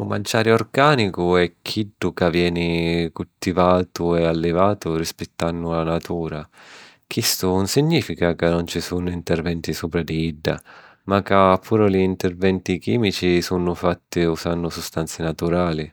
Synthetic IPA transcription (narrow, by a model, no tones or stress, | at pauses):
umant͡ʃːaːɾjɔrɡaːnikʊɛkʰːiɖːʊkavjɛːnikult̪ivaːt̪ʊɛalːɪvaːt̪ʊrispɛt̪ːanːʊlanat̪ʰuːɾa | k̟ʰist̪ʊunsiɲːiːfikakɪnːɔnt͡ʃisuːnʊint̪ɛrvɛnt̪isuːpɾad̪iiɖːa̰ | makaːpʰːuːɾaliːnt̪ɛrvɛnt̪ikiːmit͡ʃisunʊfat̪ːiusanːʊsust̪ant̪sɪnat̪uɾaːli